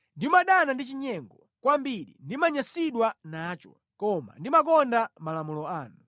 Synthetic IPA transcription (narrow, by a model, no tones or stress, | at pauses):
ndimaɗanandit͡ʃiɲɛŋɡɔ | kwambiɗḭndimaɲasiɗwanaːt͡ʃɔ̰ | kɔma̰ndimak̬ɔndamalamulɔaːnu